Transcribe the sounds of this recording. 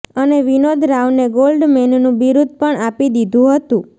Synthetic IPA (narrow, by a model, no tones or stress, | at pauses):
əneʋinod̪ʱɾaʋneɡolɖmennũbiɾud̪̚ʱpəɳapid̪id̪ʱũɦət̪ũ